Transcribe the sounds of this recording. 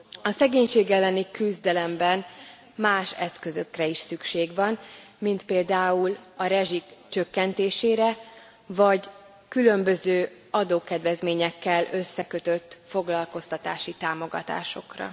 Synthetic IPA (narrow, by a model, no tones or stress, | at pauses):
ɒsɛɡeːɲʃeːɡɛlːɛnikyzd̪ɛlɛmbɛn | maːʃɛskø̞zøkrɛiʃsykʃeːɡʋɒn | mint̪peːld̪aːulɒɾɛʒikt͡ʃø̞kːɛnt̪eːʃeːɾɛ | vɒɟ | kylø̞mbø̞zøː | ɒd̪oːkɛd̪ʋɛzmeːɲɛkːɛlø̞sːɛkø̞t̪øt̪ːfo̞ɡlɒlko̞st̪ɒt̪a̰ːʃit̪aːmo̞ɡɒ̰t̪a̰ːʃo̞̰krɒ̰